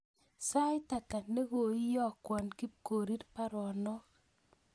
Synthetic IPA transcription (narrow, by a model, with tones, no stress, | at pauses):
sa˦jta˨ta˨ne˦ɣo˨i˦jɔ˦kwɔ˨nki˦p̚ko˨ɾi˦tpa˦ɾɔ˨nɔ˦k